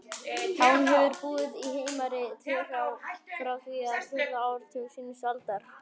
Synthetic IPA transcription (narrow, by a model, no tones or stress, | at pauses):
hanːɦɛvʏɾpuːðɪðiheːjmaɾɪt̪ʰɪrawwfɾawθviːaθɪɾaːwɾ̥t̪ʰɪlsinsalt̪aɾ̥